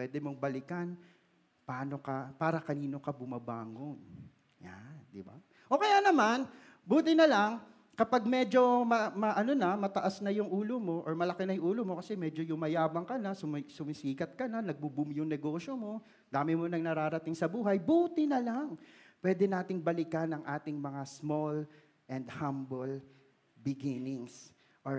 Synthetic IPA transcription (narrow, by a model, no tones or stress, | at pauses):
pwɛd̪ɛmo̞ŋbɐlɪkɐn | pɐaːno̞kɐpaːɾɐkɐniːno̞kɐbʊmɐba̰ːŋoŋ | ja̰nd̪ɪba̰ | ʔo̞kɐjaːnɐman | buːt̪ɪnɐlaŋ | kɐpaɡ̚mɛd͡ʒo̞mɐmɐʔɐno̞nɐmɐt̪ɐʔasnɐjʊŋʔuːlomo̞ʔoɹmɐlɐkɪnɐjʊŋʔuːlomo̞kɐsɛmɛːd͡ʒo̞jʊŋmɐjaːbɐŋkɐnɐsʊmsʊmɪsiːkɐt̪̚kɐnɐnɐɡ̚bʊbʊmjʊŋnɛɡo̞ːʃomo̞ | d̪aːmɪmonɐŋnɐɾaːɾɐt̪ɪŋsɐbuːɦɐjbuːt̪ɪnɐlaŋpwɛːd̪ɛnaːt̪ɪŋbɐlɪkɐnɐŋʔaːt̪ɪŋmɐŋasmol | ʔɛnd̪hambol | bɪɡɪnɪŋs | ʔo